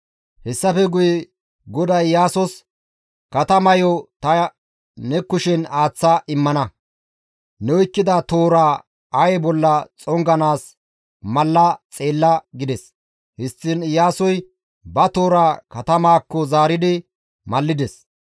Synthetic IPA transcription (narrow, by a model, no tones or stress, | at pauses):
hɛsːɐfɛɡʊjɛ | ɡɔd̪ɐjːaːsɔs | kɐt̪ɐmɐjɔt̪ɐ | nɛkːʊʃɪnaːt͡sːɐʔɪmːɐnɐ | nɛwɔjkːɪd̪ɐt̪o̞ːɾaː | ɐjɛbɔlːɐt͡sʼɔŋɡɐnaːs | mɐlːɐt͡sʼe̞ːlːɐɡɪd̪ɛs | hɪstːɪnjaːsɔj | bɐt̪o̞ːɾaːkɐt̪ɐmaːkːɔzaːɾɪd̪ɪ | mɐlːɪd̪ɛs